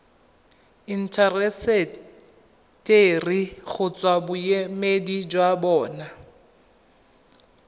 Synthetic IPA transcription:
in̩tʰarɛsɛ | tʼeriɣʊt͡sʼwabʊjemedid͡ʒwabɔːna

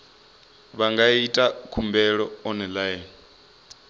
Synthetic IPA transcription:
βaŋɡaitʼakʰumbɛɺɔːnɛlajɛːn

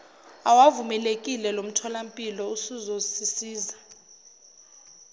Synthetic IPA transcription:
awavumɛlek̬ʼilɛlom̩tʰɔlam̩pʼilɔusuzosisiːza

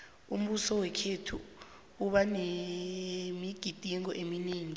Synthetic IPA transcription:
ṵm̩ɓusɔwɛkʰetʰṵ | uɓane | miɡ̥ʱid̥ʱiŋɔʔemineːŋi

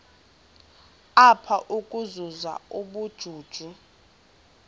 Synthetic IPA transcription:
apʰaʔukʼuzuza̰uɓud̥ʒ̥ʱuːd̥ʒ̥ʱu

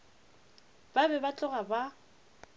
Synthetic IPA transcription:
b̥abɛbat͡ɬʼʊɣaba

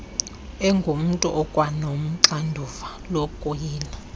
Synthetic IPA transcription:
ɛŋɡʱum̩tʼuʔɔkʼwanom̩ǁandʱuvalɔkʼojiːna

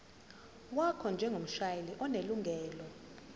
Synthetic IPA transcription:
wakʰɔnd͡ʒʱɛŋɡʱom̩ʃajeliʔɔneluŋɡʱɛːlɔ

